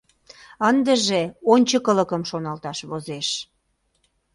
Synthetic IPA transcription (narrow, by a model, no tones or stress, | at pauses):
ənd̪əʒeonʲt͡ɕəkələkəmʃonɑlt̪ɑʃβozeʃ